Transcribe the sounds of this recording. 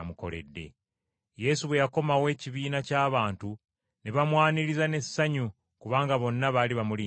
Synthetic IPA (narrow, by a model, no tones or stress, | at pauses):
muko̞̰le̞̰dːe̞̰ | je̞suβwe̞jako̞mawe̞ːciβiːnacaːβaːntu | neβamwaːniɾizane̞sːaɲu | kuβaːŋɡaβo̞nːaβaːliβamuli